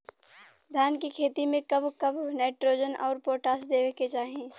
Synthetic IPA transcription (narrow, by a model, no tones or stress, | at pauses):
d̪ʱjaːnkikʰeːt̪imẽkɐbʱkəbʱnɛːʈɾoːd͡ʒənʔɔ̰ːɾpoːʈaːsd̪eːweket͡ʃaːɦẽ